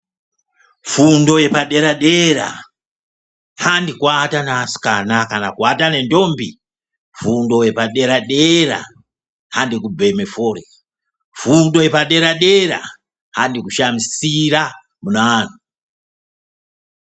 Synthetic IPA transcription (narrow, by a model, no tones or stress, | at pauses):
fundojepaɗeɾaɗeɾa̰ | handikwatanaːsi̥kanakanakwatanendombi | fundojepaɗeɾaɗeɾa̰ | handikubemefoːɾe | fundojepaɗeɾaɗeɾa̰ | handikuʃamisiɾa | munaːnu